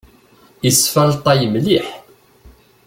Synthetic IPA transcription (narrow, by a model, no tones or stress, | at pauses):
jəsfælt̪ˤɑjəmliħ